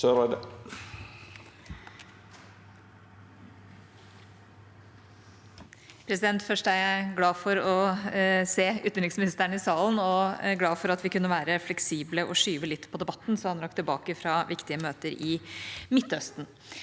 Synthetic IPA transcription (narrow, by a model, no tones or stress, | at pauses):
ʋɑd | pʰɾɛsɪd̪ɛnt̪fœʂʈəæɾjæɪɡlɑːfɔɾɔ | seːʉ̰ːt̪nɾɪŋsmɪnɪst̪æɳɪsɑːlənɔɡlɑːfɔɾɑt̪ʋɪkʉnːəʋæːɾəflɛksiːbləʔɔʂyːʋəlɪt̪ːpʰɔd̪ɛbɑt̪ːnsɔhɑnɾɑkːt̪ʰɪlbɑ̰ːkəfɾɑːʋɪkt̪ɪəmøːt̪əɾɪmɪt̪ːœst̪n